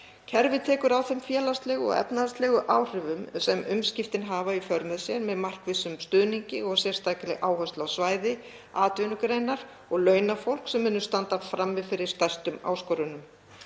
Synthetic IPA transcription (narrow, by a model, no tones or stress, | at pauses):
cʰɛɾvɪt̪ʰɛːkʏɾawθɛmfjɛːlast̪lɛɣɔ̰ɣɛ̰pnaast̪lɛɣʏʔawr̥ɪvʏmsɛmʏmscɪft̪ɪnɦaːvaifœɾmɛðsjɛɾmɛðmar̥kvɪsʏmst̪ʏːðniɲcɪɔsjɛr̥st̪aːjkɪlɪɣʔaːwhœst̪lawsvaːjðɪ | aːt̪ʏnʏkɾejnaɾ̥ | ɔɣlœːɥnafowl̥ksɛmːʏːnːʏst̪ant̪afɾamːɪðfɪɾɪɾ̥st̪ɛr̥st̪ʏma̰ːwskɔɾʏnʏm